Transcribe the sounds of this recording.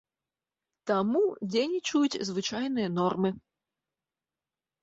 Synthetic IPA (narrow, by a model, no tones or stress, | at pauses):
t̪amudʲenʲit͡ʃujutʲzvɨt͡ʃajnɨjənɔrmɨ